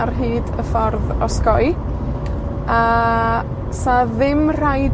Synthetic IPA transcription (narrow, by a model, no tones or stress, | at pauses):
rɦiːdəfɔrðɔskɔj | a | saðɪmr̥ajd